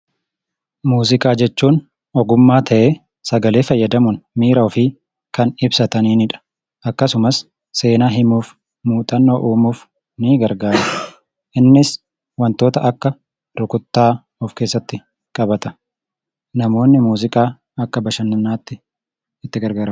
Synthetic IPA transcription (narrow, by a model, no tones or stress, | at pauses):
muːzɪkʼaːd͡ʒɛt͡ʃːuːn | ɔɡʊmːaːt̪ʰɐʔeː | sɐɡɐle̞ːfɐjːɐd̪ɐmʊnmiːɾɐɔfɪ | kɐnɪbsɐt̪ɐniːnɪᶑɐ̥ | ʔɐkːɐsʊmɐsː | e̞ːnaːɦɪmuːf | muːt̪ʼɐnːoːʔuːmuːf | nɪɡɐɾɡaːɾɐ | ʔɪnːɪs | wɐnt̪o̞ːt̪ɐʔɐkːɐ | ɾʊkʊt̪ːaː | ɔfke̞ːsːɐt̪ːɪ | kʼɐbɐt̪ɐ | nɐmo̞ːnːɪmuːzɪkʼaː | ɐkːɐbɐʃɐnːɐnːaːt̪ːɪ | ɪt̪ːɪɡɐɾɡaːɾɐm